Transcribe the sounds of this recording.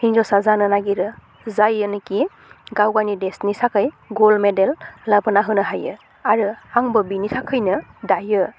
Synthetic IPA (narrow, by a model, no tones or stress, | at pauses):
hiŋzɔsazanɯnaɡiɾɯ | zajɯnɯki | ɡawɡanidesnisakʰɯj | ɡolmedelːabɯnaɦɯnɯɦajɯ | aɾɯaŋbɯbinitʰakʰɯjnɯdajɯ